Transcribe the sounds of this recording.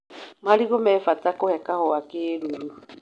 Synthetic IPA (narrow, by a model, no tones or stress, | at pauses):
maliɣomɛfatakohɛkahɔakeːɾuɾu